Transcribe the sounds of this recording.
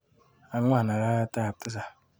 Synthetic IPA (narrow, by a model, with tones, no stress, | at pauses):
a˨ŋʷ˦a˦˨na˨ɾa˦ta˦˨p̚ta˦za˨